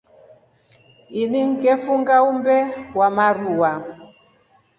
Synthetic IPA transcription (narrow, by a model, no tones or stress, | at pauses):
iniŋɡɛfuŋɡaumbɛwamaɾuwa